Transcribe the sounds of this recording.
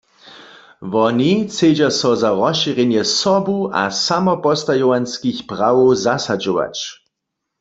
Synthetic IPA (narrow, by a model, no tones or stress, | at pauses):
ʋɔnit͡sed͡ʒasɔzaʁɔʃiʁjɛnjɛsɔbuʔa̰samɔpɔst̪ajɔwanskixpʁawowzasad͡ʒowa̰t͡ʃ